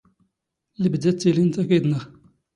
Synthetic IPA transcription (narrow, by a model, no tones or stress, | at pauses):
ləbd̪æt͡s̪ːilint̪ækid̪nəʁ